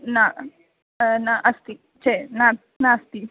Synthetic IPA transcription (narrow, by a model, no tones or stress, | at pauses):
na | naʔɐst̪i | t͡ʃena | nast̪i